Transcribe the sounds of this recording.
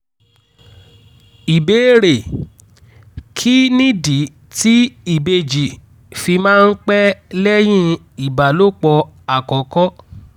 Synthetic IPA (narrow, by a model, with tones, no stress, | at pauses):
i˨beː˨˦ɾe˨ | kʰi˦nĩ˦di˨˦ | ti˦i˦˨be˧d͡ʒi˨ | fi˧mãː˦˧n̩˦k͡pɛ˦lɛ˦j̃ĩ˦ | i˨ba˨lo˦˨k͡pɔ˧a˨kɔ˨˦kɔ˦